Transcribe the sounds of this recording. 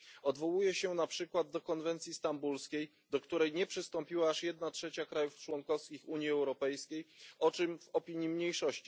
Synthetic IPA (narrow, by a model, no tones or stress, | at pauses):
ɔd̪vɔwujɛɕɛnapʂɘkwad̪̚d̪ːɔkɔnvɛnt̪sʲjist̪ambulskʲej | d̪ɔkt̪uɾɛjɲɛpʂɘst̪ɔmpʲiwaːʂjɛd̪natʂɛt͡ɕakɾajuft͡ʂwɔŋkɔfskʲixuɲjiɛwɾɔpɛjskʲejɔt͡ʂɘmvɔpʲiɲjimɲejʂɔɕt͡ɕi̥